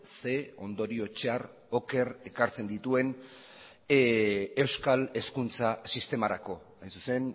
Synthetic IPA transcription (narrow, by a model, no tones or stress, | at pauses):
se̞o̞nd̪o̞ɾio̞t͡ʃear | o̞ke̞re̞kaɾt͡se̞nd̪it̪ue̞n | e̞wskale̞skunt͡sasist̪e̞maɾa̰ko̞ | ajnsu̥se̞n